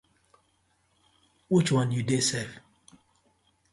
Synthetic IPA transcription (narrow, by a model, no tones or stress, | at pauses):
wit͡ʃwãnjudesɛv